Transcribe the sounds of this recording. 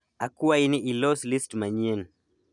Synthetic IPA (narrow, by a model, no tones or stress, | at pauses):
akuwainiʔilɔslistmaɲɛn